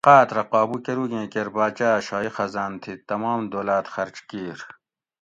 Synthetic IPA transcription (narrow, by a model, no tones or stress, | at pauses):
qaːt̪ɾɐqɑːbukeɾuɡẽːkeɾbaːt͡ʃaːɕɑːixɐzaːnt̪ʰit̪ɐmɑːmd̪oːlaːt̪xɐɾt͡ʃkiːɾ